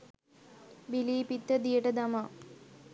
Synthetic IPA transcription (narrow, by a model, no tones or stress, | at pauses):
biliːpit̪ːəd̪ijəʈəd̪ɐma